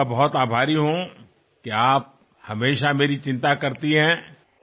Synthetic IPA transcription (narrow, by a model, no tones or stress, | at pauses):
abɐɦɔt̪aːbʱaːɾiɦõ | keaːp̚ | hɐmeːʃameːɾit͡ʃɪ̃nt̪akɐɾt̪iɦɛ̃ː